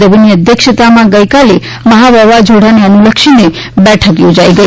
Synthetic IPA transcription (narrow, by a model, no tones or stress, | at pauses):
əbiniəd̪ʱjəkʃət̪amãɡəjkale | məɦaʋəʋad͡ʒʱoɽ̤aneənuləkʃine | bɛʈʰəkjod͡ʒaiɡəi